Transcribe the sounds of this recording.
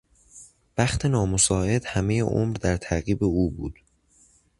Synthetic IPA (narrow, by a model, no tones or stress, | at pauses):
b̥æxt̪ʰe̞nɒːmosɒːe̞d̪hæme̞jḛʔo̰ːmɾd̪æɾt̪ʰæɾɣiːbe̞uːbuːd̪̥